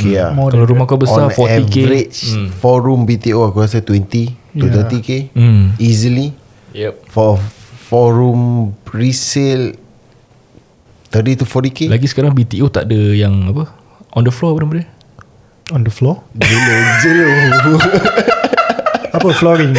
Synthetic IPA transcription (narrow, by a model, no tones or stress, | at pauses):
kejakalaɾumahkabəɔsafɔtɛivkeɾit͡ʃfɔɹumbit̪ioakuɾas̬at̪wɛnt̪iut̪ət̪ikeizəli | jɛpfɔfɔɹumɹisil | t̪ətit̪ufɔt̪ikelaɡisəkaɾaŋbit̪iot̪a̰ʔdəjaŋapə | ʔɔ̃ndəflɔapənamədə | ɔndəflɔd͡ʒelod͡ʒelo | apəflɔɹiŋ